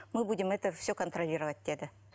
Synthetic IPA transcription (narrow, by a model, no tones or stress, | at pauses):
mɨbudʲɪmɛt̪əfsʲɵkənt̪ɾɐlʲiɾəvət̚ʲtʲed̪ə